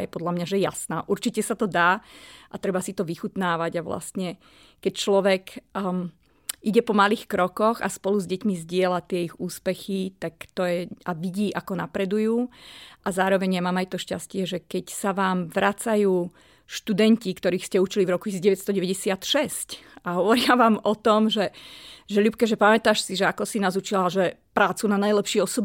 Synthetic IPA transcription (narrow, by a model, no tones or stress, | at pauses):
jɛpɔd̪lamɲaʒɛjasna̰ːʔuɾt͡ʃicɛsat̪ɔd̪aːʔat̪ɾɛbasit̪ɔʋixut̪naːʋaɟaʋla̰st̪ɲɛ | kɛct͡ʃlɔʋɛk | ʔiɟɛpɔmaliːxkɾɔkɔɣa̰spɔluzɟɛcmizɟɪɛlat̪ɪɛiɣuːspɛxit̪akt̪ɔjɛaʋiɟiːʔakɔnapɾɛd̪ujuːʔazaːɾɔʋɛɲjamaːmajt̪ɔʃcascɪɛʒɛkɛcsaʋaːmʋɾʔat͡sajuː | ʃt̪ud̪ɛɲcikt̪ɔɾiːxscɛut͡ʃilivɾɔku̥isiɟɛʋɛt̪st̪ɔɟɛʋɛɟɛsɪat̪ʃɛscaɦɔʋɔɾɪaʋaːmɔt̪ɔmʒɛʒɛʎupkɛʒɛpamɛt̪aʃsiʒɛakɔsinazut͡ʃilaʒɛpɾaːt͡sunanajlɛpʃɪiɛɔsɔb